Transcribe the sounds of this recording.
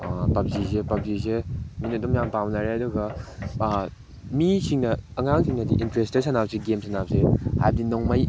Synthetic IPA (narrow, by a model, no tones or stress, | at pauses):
apap̚zis̬epap̚ziseminɐdumjaŋpawnaɾeaduɡɐ | misiŋnɐɐŋaŋsʰiŋnɐdḭʔintɾestesʰanap̚seɡemsʰanap̚seha̰jbɐdinoŋmɐj